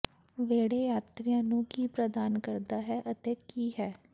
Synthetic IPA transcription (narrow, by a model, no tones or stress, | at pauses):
ʋeːɽeːjaːt̪ɾijãːnũːkiːpɾəd̪aːnkəɾd̪aːɦɛːʔət̪eːkiːɦɛː